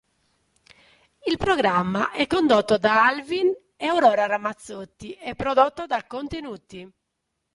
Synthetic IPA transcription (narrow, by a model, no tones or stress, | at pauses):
ilpɾɔɡɾamːaʔɛkːond̪ot̪ːod̪aalvin | ɛawɾɔːɾaɾamːat̪sːot̪ːiɛpːɾɔd̪ot̪ːod̪akːont̪enuːt̪ːi